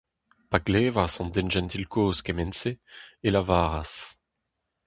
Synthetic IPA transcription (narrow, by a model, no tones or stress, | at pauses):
paɡleːvasɑ̃nd̪ɛnʒɛ̃nt̪ilkʰoːskemɛnseːlavaːʁas